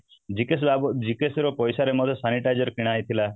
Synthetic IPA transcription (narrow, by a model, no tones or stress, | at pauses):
d͡ʒikes̬babɔd͡ʒikesɾɔpɔjsaɾemɔd̪ʰʱɔsaniʈajd͡ʒɔɾkiɽ̃ajt̪ʰila